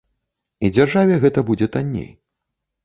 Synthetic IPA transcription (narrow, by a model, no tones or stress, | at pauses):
id͡zʲarʐavʲɛɣɛt̪ɐbud͡zʲɛt̪anʲːḛj